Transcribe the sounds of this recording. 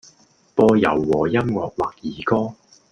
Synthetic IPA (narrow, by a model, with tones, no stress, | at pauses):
pɔː˧jɐ̰˨˩wːɔː˨˩jɐ˥mŋɔː˨k̚waː˨˩k̚jiː˨˩kɔː˥